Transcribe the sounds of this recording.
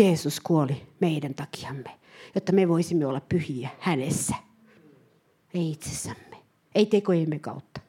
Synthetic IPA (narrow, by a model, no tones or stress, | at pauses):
eːsuskuolimeidænt̪ɑki̥ɑmːe | jot̪ːɑmeʋoisimːeolːɑppyhiæhænesːæ | eiit̪se̥sːæmːe | eit̪ekojemːekɑ̰ut̪ːɑ̥